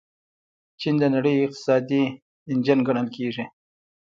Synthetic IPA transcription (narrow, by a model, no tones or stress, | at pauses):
t͡ʃind̪ənaɽəjɪq̚t̪ɪ̥sɑd̪i | ɪnd͡ʒanɡaɳəlkeʐi